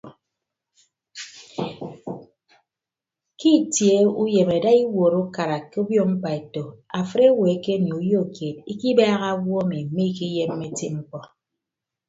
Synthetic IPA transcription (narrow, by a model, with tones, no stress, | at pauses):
ki˦˨tje˨˦u˦je˨me˨da˦i˦wo˨ɾo˦ka˨ɾa˨ke˦o˦bjo˦m̩˦k͡pa˨e˨to˨a˨fə˦e˦we˨˦ke˦n˨u˨˦jo˦˨kje˨t̚i˦ki˦baː˦ɣa˦wɔ˦mi˨˦me˦i˦ki˦je˦m̩ː˦e˦ti˦ŋ͡m̩˦k͡pɔ˦